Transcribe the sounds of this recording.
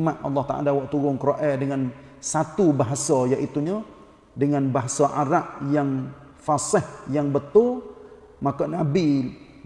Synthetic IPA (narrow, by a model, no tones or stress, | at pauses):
maʔ̪ʔɑ̰lːɑht̪a̰ʔa̰lawaʔt̪uɾʊŋkəɾoʔɛdəŋan | sat̪ubaɦasɔjaʔit̪uɲə | dəŋanbaɦasɔʔaɾaʔjaŋ | fasɪhjaŋbət̪ʊl | makɔʔnabi